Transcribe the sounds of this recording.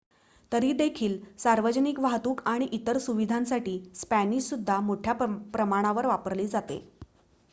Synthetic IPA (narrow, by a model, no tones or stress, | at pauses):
t̪əɾiːd̪ekʰiːlsaɾʋəd͡ʑənikʋaɦt̪uːkaɽ̃iʔit̪əɾsuʋid̪ʱãnsaʈiːspæniɕsud̪ʱːamoʈʰjapɾəmaɽ̃aʋəɾʋapəɾliːd͡zat̪ḛ